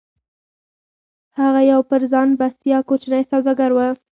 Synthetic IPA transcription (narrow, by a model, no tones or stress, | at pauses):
haɣajawpəɾzɑnbast̪ijɑkot͡ʃnəjsawd̪ɑɡaɾwə